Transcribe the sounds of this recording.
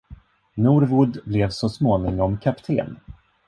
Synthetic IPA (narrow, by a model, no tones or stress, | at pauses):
nuːɾvʊd̪blɛvsɔsmoːnɪŋɔmkʰapt̪ʰḛːn